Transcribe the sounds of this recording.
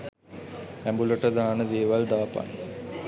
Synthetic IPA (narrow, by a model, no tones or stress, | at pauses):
æmbuloʈəd̪aɦanəd̪eːʋald̪aːpa̰ŋ